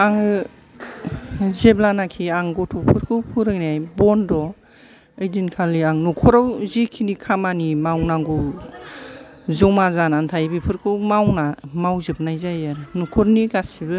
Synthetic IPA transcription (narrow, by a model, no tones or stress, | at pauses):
aŋɯ | zeblanakʰiaŋɡɔtʰɔpʰɯɾkʰɯwpʰuɾɯŋniajbɔndɔ | ɯjdinkʰalːiaŋnɔkʰɔɾawzikʰinikʰamanimawnaŋɡuw | zɔmazanantʰajbipʰɯɾkʰɯwmawnamawzɯp̚najzajaɾɯnukʰɔɾniɡasibɯ